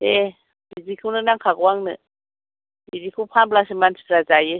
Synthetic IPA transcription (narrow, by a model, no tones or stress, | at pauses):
e | b̥idikʰɯnɯnaŋkʰakwaŋnɯ̰ | bidikʰɯpʰamblasimansi̥ɾad͡ʒaje